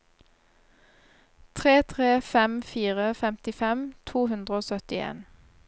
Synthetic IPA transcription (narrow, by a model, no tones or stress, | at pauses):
t̪ʰʁeːt̪ʰʁeːfɛmfiːʁəfɛmt̪ɪfɛmt̪ʰuːhʉnd̪ʁəoːsœt̪ɪḛːn